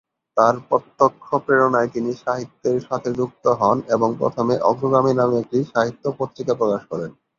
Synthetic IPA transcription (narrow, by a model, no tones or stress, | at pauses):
t̪aɾpɔt̪ːokʰːopɾeɽonaet̪iniʃaɦit̪ːeɾʃat̪ʰed͡ʑuk̚t̪oɦɔneboŋpɾo̰t̪ʰomeʔɔɡɾoɡɾaminamek̚ʈiʃaɦit̪ːopot̪ːɾikapɾokaʃkɔɾen